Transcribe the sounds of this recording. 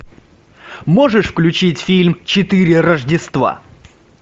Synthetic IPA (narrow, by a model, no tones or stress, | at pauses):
mo̞ʐɨʂfklʲʉt͡ɕitʲfʲilʲmt͡ɕɪt̪ɨɾʲɪrəʐdʲɪst̪va̰